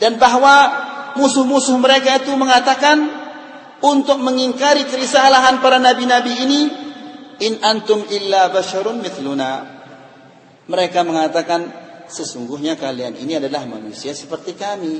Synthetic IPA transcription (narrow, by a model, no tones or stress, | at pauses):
danbaɦwamusʊhmusʊhməɾekait̪uməŋat̪akan | unt̪ʊk̚məŋiŋkaɾikəɾisaːlaɦanpaɾanabinabiːni | ʔɪnʔant̪ʊmɪlːabaʃaɾʊnmɪθluna | məɾekaməŋat̪akansəsuŋɡʊɦɲakalianḭniadalahma̰nusiasə̥pərt̪ikami